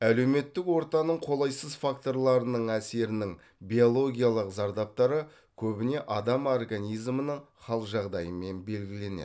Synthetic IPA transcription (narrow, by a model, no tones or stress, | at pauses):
æle̞wme̞t̪ːɪkwo̞ɾt̪ɑnəɴqʰo̞lˠɑjsəzfakt̪o̞ɾlˠɑɾənəɴæse̞ɾɪnɪŋ | bijo̞lˠo̞ɡʲijalˠəqzɑɾd̪ɑp̚t̪ɑɾə | kʲʰɵbɪne̞ʔɑd̪ɑmo̞rɡanʲijzmənəɴχɑlˠəqʒɑʁd̪ɑjəme̞nbe̞lɡʲɪle̞nḛ̥